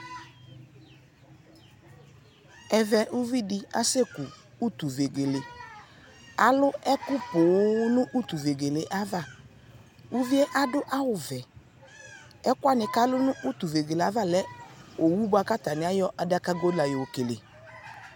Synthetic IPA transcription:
ɛ˨vɛ˨ʔu˦vi˦dɪ˦a̰˦se˦ku˨ | u˦t̪u˨ve˨ɡe˨le˨ | a˨lʊ˦ɛ˦kʊ˦pʊ˨˦nʊ̃˦ʔu˦t̪u˨ve˨ɡe˨le˨ʔa˦va˦˨ | u˦vi˦e˦ʔa˦dʊ˦ʔa˦wʊ˨vɛ˨ | ɛ˦kʊ˦a˦nɪ˨ka˦lʊ˦nʊ̃˦ʔu˦t̪u˨ve˨ɡe˨le˨a˦va˦lɛ˦o˨wu˦bʊ˦a˦ka˦t̪a˨nɪ˨˦a˦jɔ˦ʔa˨da˦ka˦ɡo˦dla˨jo˨wo˨ke˨le˨

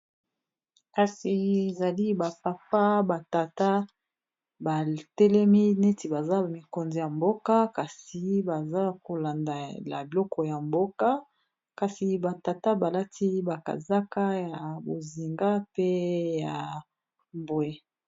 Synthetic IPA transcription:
ka˨si˨e˨za˨li˦ba˨pa˨pa˦ba˨ta˨ta˦ | ba˨tɛ˦lɛ˦mi˦ne˦ti˨ba˨za˦mi˨ko˨nzi˨ja˨mbo˦ka˦ka˨si˨ba˨za˦ko˨la˨nda˨la̰˨bi˨lɔ˦kɔ˨ja˨mbo˦ka˦ | ka˨si˨ba˨ta˨ta˦ba˨la˦ti˦ba˨ka̰˨za˦ka˦ja˨bo˨zi˨ŋɡa˦pe˦ja˨ | mbo˨e˦

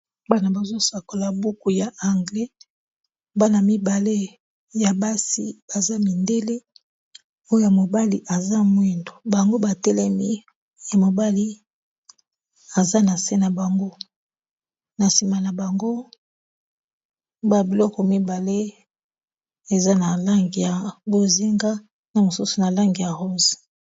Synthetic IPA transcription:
ba˦na˨ba˨zo˦sa˨ko˨la˨bu˦ku˨ja˨a˨ŋɡlɛ˦ | ba˦na˨mi˦ba˨le˦ | ja˨ba˦sḭ˦b̥a˨za˦mi˨nde˦le˦ | o˦o˦ja˨mo˨ba˦li˨ʔa˨za˦mwe˦ndo˨ba˨ŋɡo˦ba˨tɛ˦lɛ˦mi˦ | ja˨mo˨ba˦li˦ | a˨za˦na˨se˦na˨ba˨ŋɡo˦ | na˨si˨ma˨na˨ba˨ŋɡo˦ | ba˨bi˨lɔ˦kɔ˨mi˦ba˨le˦ | e˨za˦na˨la˦ŋɡi˨ja˨bo˦zi˦ŋɡa˦ | na˨mo˨su˦su˨na˨la˦ŋɡi˨ja˨ʁo˦zi̥˨

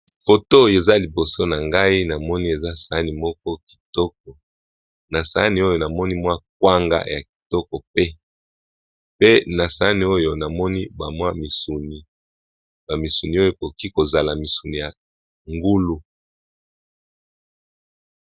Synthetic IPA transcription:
fo˨to˦e˨za˦li˨bo˨so˦na˨ŋɡa˦i˦na˨mɔ˦ni˦e˨za˦sa˨˦ni˨mɔ˦k̚ɔ˦ki̥˨tɔ˦k̚ɔ˨ | na˨sa˨a˦ni˨o˦jo˨na˨mɔ˦ni˦mwa˦k̚wa˦ŋɡa̰˦ja̰˨ki̥˨tɔ˦kɔ˨pe˦ | pe˦na˨sa˨˦ni˨˦o˦jo˨na˨mɔ˦ni˦ba˨mwa˦mi˨su˨ni˨ | ba˨mi˨su˨ni˨o˦jo˦˨ko˨ki˦ko˨za˨la˨mi˨su˨ni˨ja˨ | ŋɡu˦lu˦

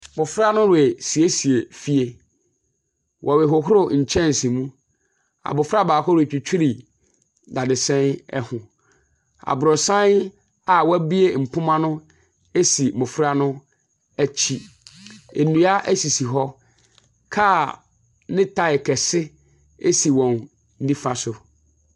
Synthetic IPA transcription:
mʊ˨fɾa˦nʊ̃˦ɾe˨si˨e˦si˨e˨fi˦e˨ | wʔɔ˨wɛ˨ɦʊ˨ɦʊ˦ɾʊ˦ɲ̩˨t͡ɕʰɛ̃˦n̩˨sĩ˨mũ˦ | a̰˨bʊ˨fa˦˨baː˨hɔ˦ɾʊ˨e˨t͡ɕᶣu˨t͡ɕʰᶣu˦ɾi˨ | da˨dɪ˨sɛ̃˦n̰˦hʊ̃˨ | a̰˨bʊ˨ɾɔ˨sã˦n | a˨wɔ˦æ˦bi˦e˦m̩˨pʰʊ̃˦mã˦nʊ̃˦ | e˦si˨mʊ̃˨fɾa˦nʊ̃˦ | æ˦t͡ɕʰi˦ | ḛ˨nũ˨a˦ʔæ˦si˨si˨ɦɔ˦ | kʰa˦ | nɪ̃˦tʰa˨ɪ˨kʰɛ˨sɪ˦ | e˦si˨wɔ̃˨n | n̩˦dĩ˦fa˨sʊ˨

